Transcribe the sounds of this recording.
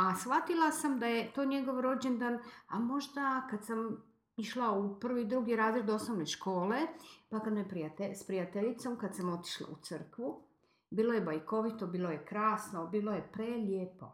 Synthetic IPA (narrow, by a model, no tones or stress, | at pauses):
asxʋat̪ilˠasamd̪ajet̪o̞ːɲe̞ɡo̞ʋɾo̞d͡ʑend̪anamo̞ʒd̪akad̪sam | iʃlaupr̩ʋid̪ɾuɡiɾaːzɾed̪o̞sno̞ʋneʃko̞ːlepakad̪nojepɾiat̪espɾijat̪eʎit̪so̞mkad̪samo̞t̪i̥ʃlˠa̰ut̪sɨr̩kʋu | biːlo̞je̞bajko̞ʋit̪obiːlˠo̞jekɾaːsnobiːlˠojepɾeʎʲeːpo̞̰